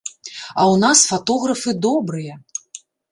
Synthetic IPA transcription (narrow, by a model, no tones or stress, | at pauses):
ɐwnasfat̪ɔɣɾɐfɨd̪ɔbɾɨjɐ